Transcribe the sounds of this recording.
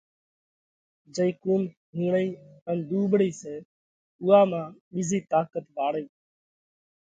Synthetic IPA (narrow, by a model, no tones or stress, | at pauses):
d͡ʒəiːkuːn | ɦũːɳiːənɗ̪uːɓɽiːseː | ʊːaːmãːɓiziːt̪aːkət̪ʋaːɽeː